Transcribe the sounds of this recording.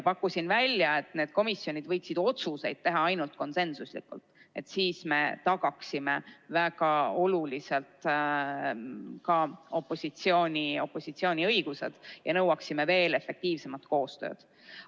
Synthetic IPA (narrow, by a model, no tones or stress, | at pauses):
pɑkːˑusinvælʲːjɑe̞t̪ˑne̞ːd̪̥ko̞misːjo̞nʲid̪vɤjksid̪o̞t̪suse̞jd̪̥̚t̪e̞ɦɑɑjnult̪̚ko̞nse̞nsuslḭkːṵlt̪e̞̰t̪siːsme̞t̪ɑɡ̥ɑksime̞væɡ̥ɑo̞lulise̞lt̪ | kɑo̞pːˑo̞sit̪sio̞ːnʲio̞pːˑo̞sit̪sio̞ːnʲiɤ̞jɡ̥use̞̰d̪̥jɑnɤwɑksime̞ve̞ːle̞fːe̞k̚t̪iːvse̞mɑt̪ko̞ːst̪ø̞̰ːd̪̥